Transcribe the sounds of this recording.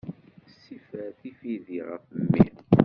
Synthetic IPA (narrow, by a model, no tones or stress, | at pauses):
sifəθifiðiʁə̰fəmːḭn